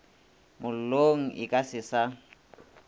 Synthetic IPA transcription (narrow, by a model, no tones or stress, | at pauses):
mʊl̩loŋ̩ʔɪ̰kʼasɪsa